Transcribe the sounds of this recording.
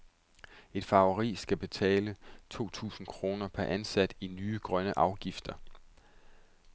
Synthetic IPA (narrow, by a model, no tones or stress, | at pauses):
e̝d̥fɑ̈ʊɐʁḭːsɡ̥æb̥e̝t͡sʰɛ̰ːlət͡sʰo̝̰ːt͡sʰṵːsn̩kʰʁo̝ːnɐpʰæɐʔænsæd̥inyːəɡ̥ʁɶnəʔɑ̈ʊɡ̥ifd̥ɐ